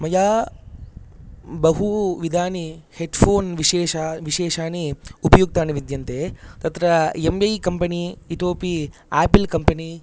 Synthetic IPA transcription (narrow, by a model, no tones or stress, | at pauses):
mɐjaː | bɐɦuʋid̪ʱaːniheɖpʰoːnʋiʃeːʃaʋiʃeːʃaːniupɐjuɡ̚t̪aːniʋid̪jɐnt̪eːt̪ɐt̪ɾɐembɐjkɐmpɐniiʈoːpiaːpilkɐmpɐni